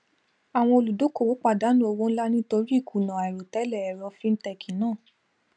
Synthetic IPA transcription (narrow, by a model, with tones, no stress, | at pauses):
a˨w̃ɔ̃˧o˧lu˨do˨˦ko˦˨wo˨˦k͡pa˨da˨˦nũ˦o˧wo˦n̩˦la˦nĩ˦to˧ɾi˦˨ku˨nã˨ɾo˨tɛ˨˦lɛ˦˨ɛ˨ɾɔ˧fĩ˦˧n̩˦tɛ˧˨kʰi˨nãː˦˨